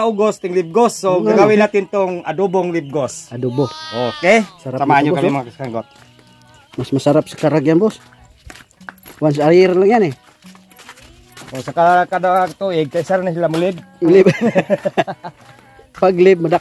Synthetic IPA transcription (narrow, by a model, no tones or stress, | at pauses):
oɡost̪ɪŋlib̚ɡosːoɡaɡawɪnat̪ɪnt̪oŋad̪uboŋlib̚ɡosad̪ubookɛsaɾaamaaɲokamimaŋakskaŋɡot̪̚ | masmasaɾap̚sḁkaɾaɡjanbos | wans̬aaɾiɾlaŋjanɛ | t̪osakakad̪akt̪uɪɡ̚kaisaɾanasilamulɪb̚mʊlɪb | paɡlɪb̚mada